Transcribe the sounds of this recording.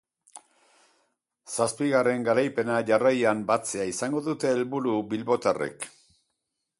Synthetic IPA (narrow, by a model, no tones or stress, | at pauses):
saspiɣare̞ŋɡaɾajpe̞naʝarajambat͡se̞aisaŋɡo̞ðut̪e̞ːlβuɾuβilβo̞t̪arḛk